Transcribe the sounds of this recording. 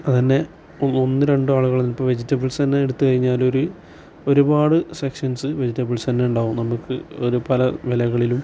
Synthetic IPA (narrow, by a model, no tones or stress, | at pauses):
ɐðinːe̞ | onːo̞nːɨɾe̞ɳɖɨaːɭuɣɐɭeninipːɐʋe̞d͡ʑitːɐbɨɭsɐnaeɽut̪ːukɐɻiɲːaːlo̞ɾu | o̞ɾubaːɽɨsekʂɐnsɨʋed͡ʑitːɐbɨɭsɐnːeuɳɖaːɣumnɐmukːɨo̞ɾupɐlɐʋelɐɣɐɭilum